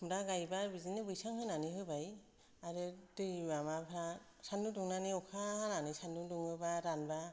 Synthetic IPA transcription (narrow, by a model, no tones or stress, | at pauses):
mdaɡajbabizinebujsaŋɦɯjnaniɦɯjbaj | aɾetɯjbamabʰʱɾa | sanuduŋnaniɔkʰaɦananisanuduŋɯbaɾanba